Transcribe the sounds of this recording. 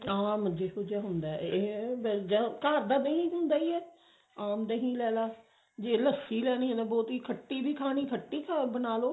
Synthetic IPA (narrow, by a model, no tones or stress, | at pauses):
ãːməd͡ʒeːsod͡ʒjaːɦʊnd̪aːɛbd͡ʒəkaːɾd̪aːd̪eɦĩːɦʊ̃nd̪aːiːɛː | aːmd̪eɦĩːlɛːlaː | d͡ʒeːləsːiːlɛːniːɦɛ̃nd̪aːbɔːt̪iːkʰəʈːiːbiːkʰaːñiːkʰəʈːiːkʰabənaːloː